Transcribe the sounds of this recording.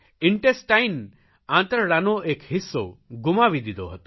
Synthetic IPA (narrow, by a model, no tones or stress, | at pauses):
iɳʈesʈajn | ãnt̪ɾɽanoʔekhisːowɡumaʋid̪id̪o̰ɦɔt̪u̥